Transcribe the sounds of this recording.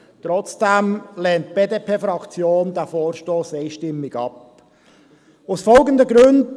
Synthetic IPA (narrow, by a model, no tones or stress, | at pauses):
tɾɔt͡sd̥ɛmlɛːnt̚peːdeːpʰeːfɾɑkt͡sjoːndɛfoːɾʃtoːseɪʃtɪmːɪɡɑp̚ | ʊsfɔlɡəndəɡɾʉnd